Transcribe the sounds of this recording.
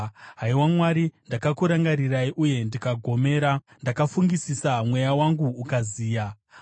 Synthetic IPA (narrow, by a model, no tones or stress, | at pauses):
ɦaiwamwaɾindakakuɾaŋɡaɾiraiʔuje̞ndikaɡʱo̞me̞ːɾa | ndakafuŋɡisisamwe̞jawaŋɡuːkaziːja